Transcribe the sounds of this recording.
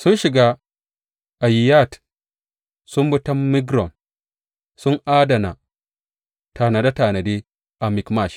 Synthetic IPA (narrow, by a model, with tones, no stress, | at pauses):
sʊ˦nʃi˨ɡa˦ | ʔa˨ji˨ja˦˨t | sʊ˦mbu˦tɐ˦mːi˦ɡɾɔ˨n | sʊ˦ŋʔaː˦dɐ˨na̰˨ | taː˨na˨da˦taː˨na˨de˦ | ʔa˨mi˨kma˦˨ʃ